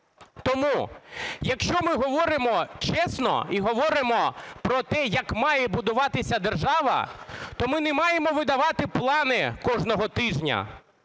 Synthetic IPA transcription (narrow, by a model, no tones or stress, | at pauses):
t̪ɔmujɐkʃt͡ʃɔmɪɦɔʋɔɾɪmɔt͡ʃɛsnɔ̰iɦɔʋɔɾɪmɔpɾɔt̪ɛjɐkmɑjɛbʊd̪ʊʋɑt̪ɪsʲɐd̪erʒɑʋɐ̰t̪ɔmɪnɛmɑjemɔʋɪd̪ɐʋɑt̪ɪplˠɑnɪkɔʒnɔɦɔt̪ɪʒnʲɐ̰